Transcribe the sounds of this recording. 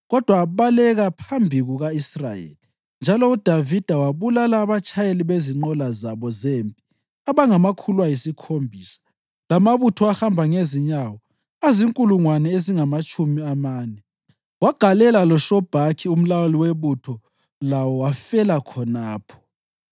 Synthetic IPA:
ɣɔd̥ʱwaβalɛɣapʰambʱiɣuɣaisrajḛːli | nd͡ʒʱalɔud̥ʱavid̥ʱawaβulalaːβat͡ʃʼajeliβeziŋ͡ǃɔlazaβɔzempʼi̥ | aβaŋamakʰulwajisikʰombʱiːsḁ | lamaβutʰɔahambʱaŋeziɲawɔ | aziŋkʼuluŋwanɛeziŋamat͡ʃʼumiamaːnɛ | waɡ̥ʱalɛlalɔʃɔb̥ʱakʰium̩lawaliweβutʰɔ | lawɔwafɛlakʰɔnaːpʰɔ̥

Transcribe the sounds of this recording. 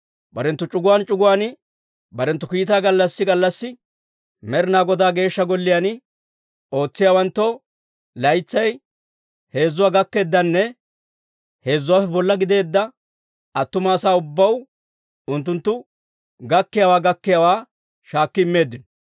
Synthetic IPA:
bɐɾɛnt̪ːʊt͡ʃʼʊɡʊwaːnt͡ʃʼʊɡʊwaːn | bɐɾɛnt̪ːʊkiːt̪aːɡɐlːɐsːɪɡɐlːɐsːɪ | mɛɾɪnaːɡɔd̪aːɡe̞ːʃːɐɡɔlːɪjanɪ | o̞ːt͡sːɪjaːwɐnt̪ːɔ | lɐjt͡sːɐj | he̞ːzːʊwaːɡɐkːe̞ːd̪ːɐnːɛ | he̞ːzːʊwaːfɛbɔlːɐɡɪd̪e̞ːd̪ːɐ | ɐt̪ːʊmaːsaːʊbːɐw | ʊnt̪ːʊnt̪ːʊ | ɡɐkːɪjawaːɡɐkːɪjawaː | ʃaːkːɪɪmːe̞ːd̪ːɪnɔ

